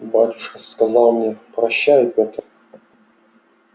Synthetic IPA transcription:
bɾatʲu̥ʂkəskɐzɑlˠmnʲepɾɐɕːæjɪpʲot̪r

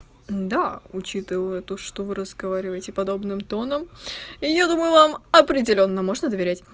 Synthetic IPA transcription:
d̪aʊt͡ɕit̪ɨvəɛt̪uʂt̪ovɨɾəzɡɐvaɾʲɪvəjɪtʲɪpɐd̪o̞bnɨmt̪o̞nəmijad̪uməjʊvamɐpɾʲɪdʲɪlʲo̞nːəmo̞ʐnəd̪əvʲɪɾʲætʲ

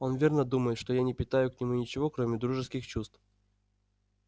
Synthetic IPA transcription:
o̞nvʲe̞rnəd̪uməjɪt̪ʂt̪ojanʲɪpʲɪt̪ajʊknʲɪmunʲɪt͡ɕɪvo̞kɾomʲɪd̪ɾuʐɨskʲɪxt͡ɕust̪f

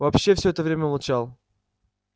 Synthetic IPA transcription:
vɐpɕːefsʲɵɛt̪əvɾʲemʲəʊvalˠt͡ɕalˠ

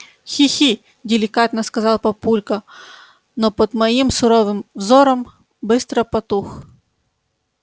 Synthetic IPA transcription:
xʲixʲi | dʲɪlʲɪkat̪nɐskɐzɑlˠpɐpulʲkɐ | nɔpɔd̪mɐjimsʊɾɔʋɪmvzɔɾɐm | bɪst̪ɾɐpɐt̪ux

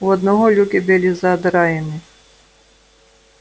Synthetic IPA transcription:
uɔd̪nɔɦɔlʲukʲibʲɨlʲizɐːd̪ɾajɛnɪ

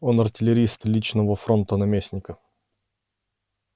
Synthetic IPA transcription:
onɐrtʲɪlʲɪɾʲist̪lʲit͡ɕnəvəfɾont̪ənɐmʲesʲnʲɪkə

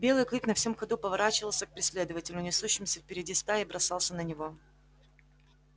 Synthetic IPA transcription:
bʲe̞lˠɨjklʲiknɐfsʲomxɐd̪upəvɐɾat͡ɕɪvəlˠsʲək̚pɾʲɪsʲlʲe̞d̪əvətʲɪlʲʊnʲɪsuɕːɪmsʲəfpʲɪɾʲɪdʲist̪aɪbɾɐsɑlˠsʲənənʲɪvo̞

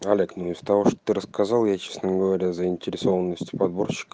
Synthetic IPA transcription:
ɐlʲe̞knuɪz̥ət̪ɐvo̞ʂt̪ot̪ɨɾəskazɑlˠjat͡ɕesnəɡəvɐɾʲazəɪnʲtʲɪɾʲɪso̞vənːəsʲtʲʊ̥pɐd̪bo̞rɕːɪ̥kə

